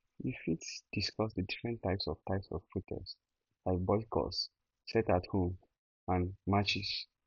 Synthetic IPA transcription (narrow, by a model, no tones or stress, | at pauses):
jifitsd̥iskɔsdədifɹɛ̃ntːaɪpsɔv̥tʰaɪpsɔffutʰɛ̰s | laɪk̚bɔɪkʰɔ̰s | sɛtathõm | ãnmat͡ʃis